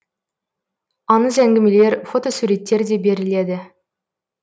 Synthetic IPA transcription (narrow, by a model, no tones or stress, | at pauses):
ɑnəzæŋɡʲɪmele̞ɾfo̞t̪o̞suɾe̞t̪ːe̞ɾd̪e̞be̞ɾɪled̪ɪ